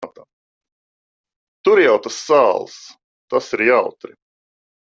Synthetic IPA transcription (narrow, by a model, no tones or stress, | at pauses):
t̪a | t̪uɾjawt̪asːaːlˠs | t̪asiɾjawt̪ɾi